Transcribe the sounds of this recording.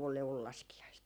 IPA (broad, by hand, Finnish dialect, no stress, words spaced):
liuʋul lɑskiɑist